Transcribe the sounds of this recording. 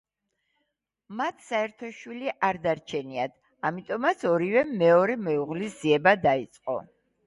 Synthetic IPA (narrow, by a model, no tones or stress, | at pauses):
mat̪ʰsaɛɾt̪ʰɔʃwiliʔaɾd̪aɾt͡ʃʰɛniad̪ | amit̪ʼɔmat̪sʰɔɾivɛmɛɔɾɛmɛuʁlisz̥iɛbad̪ait̪sʼqʼɔ̰